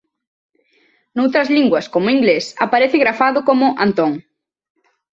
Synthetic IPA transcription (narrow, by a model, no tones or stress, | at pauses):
nowt̪ɾɐzliŋɡwɐskomʊiŋɡlesapaɾeθɪɣɾafaðʊkomʊʔa̰nt̪oŋ